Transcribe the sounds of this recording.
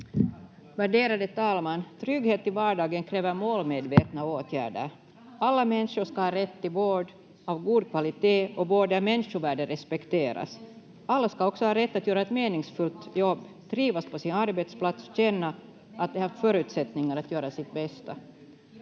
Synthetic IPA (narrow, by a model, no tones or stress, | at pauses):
væɖeːɾad̪ət̪ʰɑːlmant̪ʰɾʏɡheːt̪ɪvɑːɖɑːɡənkʰɾeːvəɾmoːlmeːd̪veːt̪naoːt̪ʰjæ̰ːɖə̰ɾ | alːamɛnʂʊʂkahɑːɾɛt̪ːɪvoːɖ | avɡuːd̪̚kʰvalɪt̪eːʔɔboːd̪əæmɛnʂʊvæːɖəɾɛspɛkt̪ʰeːɾa̰s | alːaskaɔksɔhɑːɾɛt̪ːat̪jœːɾaɛt̪meːnɪŋsfɵlt̪jɔbː | d̪̥ɾiːvaspʰɔsɪnaɾbɛt̪splat̪sɔ̥ɕɛnːa | ʔat̪̚d̪ɛhɑːɾt̪fœːɾʉ̟ːt̪sɛt̪nɪŋaɾat̪jøːɾasɪt̪̚bɛst̪a